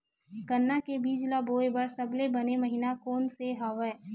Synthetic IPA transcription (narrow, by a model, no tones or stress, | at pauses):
kənːakebiːd͡ʒlaboːebɐɾsɐblebɐneməɦinakoːnseɦaːʋɛ